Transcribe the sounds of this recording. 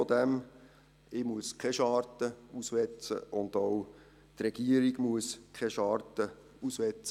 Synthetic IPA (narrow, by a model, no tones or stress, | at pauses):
ɔd̪æm | ɪːmuəskʰɛʃɑːɾtəusʋɛt͡sə̰ʔʊnd̪ɔw | t̪rɛɡ̥iəɾiɡmuəskʰɛʃɑːɾtə | usʋɛt͡sə